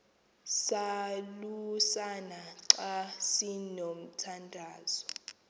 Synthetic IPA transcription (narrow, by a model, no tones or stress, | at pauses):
salusanaǁasinom̩tʰandʱaːzɔ